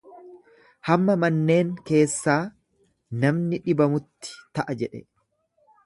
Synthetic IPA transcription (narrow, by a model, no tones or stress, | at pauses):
hɐmːɐmɐnːe̞ːŋke̞ːsːaː | nɐmnɪᶑɪbɐmʊt̪ːɪ̥t̪ɐʔɐd͡ʒɛᶑɛ̰